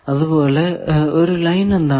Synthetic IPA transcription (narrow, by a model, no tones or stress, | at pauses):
ɐðɯpoːlɐɔɾɯlɐɪnɐnd̪aː